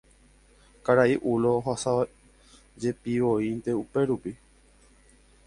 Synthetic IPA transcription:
kaɾaiʔuloɦasa | d͡ʒe̞piʋoint̪e̞upe̞ɾupi

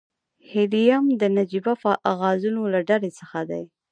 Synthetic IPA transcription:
helijamd̪ənad͡ʒibafaʔaɣɑzunolaɖalesəxad̪aj

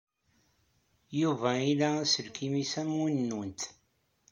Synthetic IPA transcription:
juvæilææsəlkimisæmunːunt̪

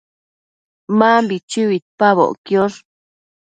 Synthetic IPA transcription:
maːmbit͡ʃɨwit̪̚paβo̰ʔkjoʐ

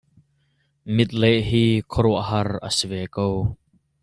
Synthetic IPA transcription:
mɪt̪̚leʔɦiːkʰɔɾɔʔɦɐrə̰sivɛːkow

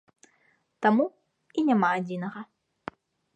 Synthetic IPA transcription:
t̪amu | inʲamaːd͡zʲinɐɣɐ

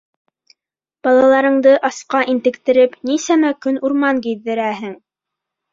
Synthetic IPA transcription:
b̥ɑlˠɑlˠɑɾɤ̆ɴd̪ɤʔɑsqɑʔint̪ɘ̆kt̪ɘ̆ɾɘpnisæmækɵnuɾmɑŋɡiðːɘ̆ɾæɦɘŋ

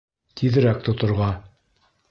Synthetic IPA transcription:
t̪ʰiðɘ̆ɾæk̚t̪ŏt̪ŏɾʁɑ

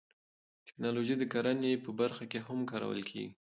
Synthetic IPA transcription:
t̪ɪ̥knɑloʒid̪əkaɾanepəbaɾxakeɦamkɑɾa̰wə̰lkʰḛɡi

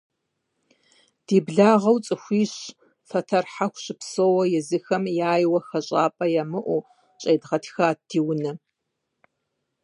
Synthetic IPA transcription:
d̥iːbɮaːʁɐwt͡sʼɨxʷiːɕ | fɐtʰɐrħaxʷɕɪpsoːwɐjɛzɨxɐmjaːjwɐxɐɕʼaːpʼɐjamɨʔʷu | ɕʼeːdʁɐtʰxaːdʰiːwʊnɐ

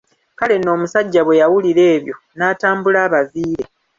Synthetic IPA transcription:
kale̞no̞ːmusaɟːaβwe̞jawuliɾe̞ːβjo̞ | naːtaːmbulaːβaviːɾe̞

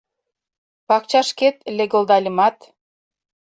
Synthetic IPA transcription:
pɑk̚t͡ɕɑʃket̪lʲeɡə̆ld̪ɑlʲə̆mɑt̪

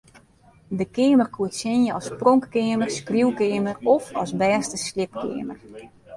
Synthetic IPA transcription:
dəkɪːəmərkʰuətsɪnjəɔsproŋkːɪəmərskruwkɪːmərɔfɔ̰sbɛːstəslɪp̚kʰɪ̰ːmər

